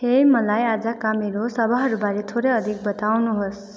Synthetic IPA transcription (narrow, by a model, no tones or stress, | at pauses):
hemʌlajad͡zʌkameɾosʌbʱaɦʌɾubaɾet̪ʰoɾʌjʌd̪ʱik̚bʌt̪awnuɦos